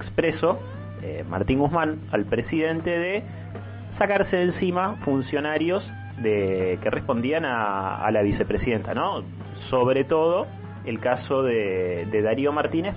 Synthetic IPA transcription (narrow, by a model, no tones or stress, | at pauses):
ekspɾeso | ḛma̰ɾt̪iŋɡuhmãn | alpɾesiðe̞nt̪eðe | sakaɾseensimafunsjo̞naɾjoz | ðekerʔespo̞nd̪ianaa̰laβise̞pɾesiðe̞nt̪ano | soβɾet̪o̞ð̞o | elkasoðeðe̞ðaɾjomaɾt̪ines